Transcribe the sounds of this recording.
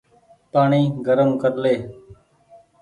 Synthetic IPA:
paːɳiːɡəɾəmkəɾleː

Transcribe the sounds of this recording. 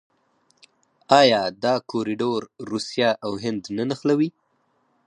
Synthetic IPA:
ɑjɑd̪ɑkoɾiɖoɾɾusjɑʔawɦɪnd̪nanaxlawi

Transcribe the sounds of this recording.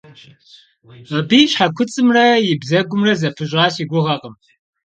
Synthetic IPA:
ɐbiːɕħakʷʰʊt͡sʼɨmrɐjɪbzɐɡʷʊmrɐzɐpʰɨɕʼɑːɕiːɡʷʊʁɐqʼəm

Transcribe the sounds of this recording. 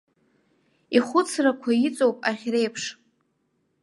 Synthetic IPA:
iχʷʊt͡sʰrakʷʰait͡sʼowpʼaχʲre̞jpʰʂ

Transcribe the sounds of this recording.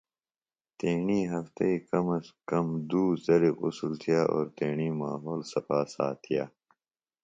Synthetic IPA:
t̪eːɳiːɦɐft̪ɐikɐmɐskɐmd̪uːzɐɾiqusult̪ʰijaːʔo̰ːɾt̪eːɳiːmaːɦoːlsɐpaːsa̰ːt̪ʰijaː

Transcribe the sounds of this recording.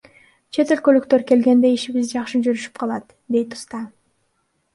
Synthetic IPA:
t͡ʃʰe̞t̪ø̞lkø̞lyk̚t̪ø̞ɾke̞lɡe̞nd̪e̞iʃiβizd͡ʒɑχʃɯd͡ʒyɾyʃy̥pqʰɑlˠɑt̪ | d̪e̞jt̪u̥st̪ɑ

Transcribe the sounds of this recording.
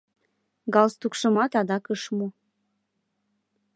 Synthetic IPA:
ɡɑlst̪ukʃəmɑt̪ɑd̪ɑkəʃmo

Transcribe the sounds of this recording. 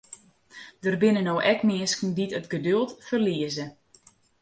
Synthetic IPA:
d̥ərbɪnənowʔɛkmɪəskn̩ditətɡədølˠtfərliəzə

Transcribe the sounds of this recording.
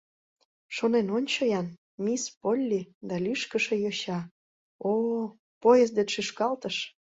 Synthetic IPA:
ʃonenonʲt͡ɕojɑn | mispolʲːid̪ɑlʲyʃkəʃĕjoɕɑ | o | pojəz̬d̪eʃyʃkɑlt̪əʃ

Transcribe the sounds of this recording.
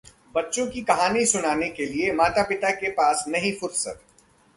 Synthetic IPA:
bɐtːʃõkikɐɦaːnisʊnaːnekeliemaːt̪apɪt̪akepaːsnɐɦĩfʊɾsə̰t̪

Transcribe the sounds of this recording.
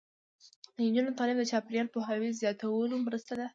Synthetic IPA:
ɲd͡ʒunot̪ɑlɪbd̪ət͡ʃɑpeɾjɑlpoɦawizjɑt̪awəlomɾəst̪ad̪a

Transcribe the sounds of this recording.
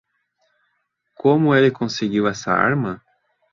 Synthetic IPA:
kʰõmʊelɪkõseɡiwɛsɐa̰ɾmɐ

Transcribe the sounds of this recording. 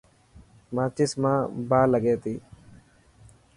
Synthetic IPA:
mãːt͡ʃismãːbaːləɡeːt̪iː

